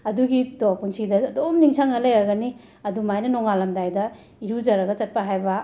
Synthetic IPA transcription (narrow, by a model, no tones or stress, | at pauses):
ɐduɡidopunsidɐdomniŋsʰaŋɐlɐjaɾɡɐni | ɐdumajnɐnoŋalɐmdajdɐ | iɾud͡ʒɐɾɐɡɐt͡ʃɐt̚pɐɦajbɐ